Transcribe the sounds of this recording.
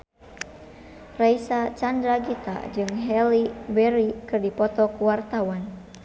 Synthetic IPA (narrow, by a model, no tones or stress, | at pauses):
raisat͡ʃandɾaɡit̪a̰d͡ʒɨŋɦɛlibɛɾikɨrdipɔt̪ɔkuwart̪awan